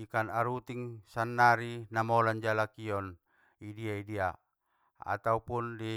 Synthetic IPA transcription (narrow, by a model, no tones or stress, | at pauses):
ikanaɾut̪iŋsanːaɾinamɔland͡ʒalakiɔn | idiaidia | a̰t̪aupundi